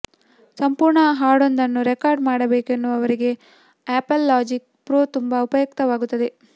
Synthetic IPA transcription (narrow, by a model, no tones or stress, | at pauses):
sɐmpuːɾɳɐɦaːɖo̞nd̪ɐnːuɾekaːɾɖmaːɽɐbeːkenːuʋɐʋɐɾiɡe̞ | aːpɐlːaːd͡ʒik̚ | pɾoːt̪umbɐupɐjɐkt̪ɐʋaːɡut̪ːɐd̪e̞